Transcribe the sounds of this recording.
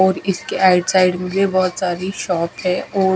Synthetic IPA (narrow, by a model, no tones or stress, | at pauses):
ɔːɾɪskeaːɪɖsaːɪɖmẽbebɔɦʊt̪saːɾiʃɔːpɦɛ̃ʔɔː